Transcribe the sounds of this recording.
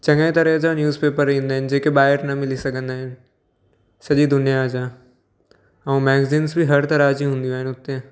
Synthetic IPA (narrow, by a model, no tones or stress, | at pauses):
t͡ɕɐ̃ŋẽt̪ɐɾəɦd͡ʑanjuːzpeːpəɾĩːnd̪aːɦɪnɪ̆d͡ʑeːkeɓaːɪəɾnɐmɪlisɐɡʱə̃nd̪aːɦɪnɪ̆ | sɐʄid̪ʊnijad͡ʑaː | ɐ̃ũmɛːɡziːnsbʱiɦɐɾt̪ɐɾaːd͡ʑiɦũːnd̪iaːɦɪnɪʊt̪ːe